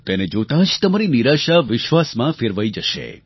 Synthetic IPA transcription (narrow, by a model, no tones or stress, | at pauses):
t̪ened͡ʒot̪ad͡ʒt̪əmaɾiniɾaʃaʋɪʃʋasmãfeɾʋaid͡ʒəʃḛ